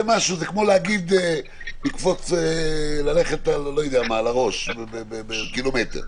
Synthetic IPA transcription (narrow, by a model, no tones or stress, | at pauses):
emaʃuzekmo̞leaɡid̪e | likfo̞t͡selaleχetallojodeamalaʁo̞ʃbebebebekilometḛʁ